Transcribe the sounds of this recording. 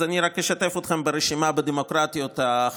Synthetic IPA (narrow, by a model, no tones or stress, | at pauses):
aniɾakjeʃat̪e̞fot̪χembeɾeʃimabed̪emo̞kɾat̪jo̞t̪a